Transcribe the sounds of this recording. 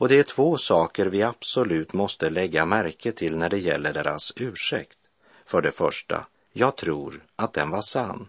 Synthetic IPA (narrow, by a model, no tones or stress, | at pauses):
ɔd̪ɛæʈʰvoːsɑːkəɾvɪab̥sɔlʉ̟ːt̪mɔst̪əlɛɡːamæɾkʰət̪ʰɪlnæɖɛjɛ̰lːəɖeːɾa̰sʉ̟ːʂɛ̰kt̪ | fœɖɛfœ̰ʂʈa̰ | jɑːɡt̪ʰɾuːɾat̪̚d̪ɛnvaʂanː